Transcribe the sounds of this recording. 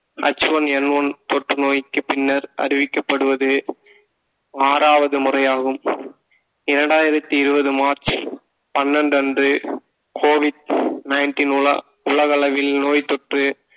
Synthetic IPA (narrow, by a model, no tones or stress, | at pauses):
ʔɐ̰t͡ʃːɯʋɐnɛnːʋɐnt̪ɔʈrɯnoːjɪkːɯpɪnːɐɾɐ̰ɾɪʋɪkːɐpːɐɽɯʋɐðɯ | aːɾaːʋɐðɯmʊrɐjaːɣɯm | ɪɾɐɳɖaːjɪɾɐt̪ːiɪɾɯbɐðɯmaːɾt͡ʃ | pɐnːɐɳɖɐndrɯ | kʰoːʋɪɖnɐɪnʈiːnʊɭɐ̰ | ʊɭɐɣɐɭɐʋɪlnoːjt̪ːɔʈrɯ